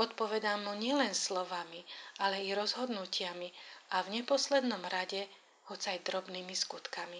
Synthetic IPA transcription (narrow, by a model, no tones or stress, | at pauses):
ɔt̪pɔʋɛd̪amuɲɪɛlɛnslɔʋamiʔalɛiɾɔzɦɔd̪nucɪamiʔavɲɛpɔslɛd̪nɔmɾaɟɛ | hɔt͡sajd̪ɾɔbniːmiskut̪kami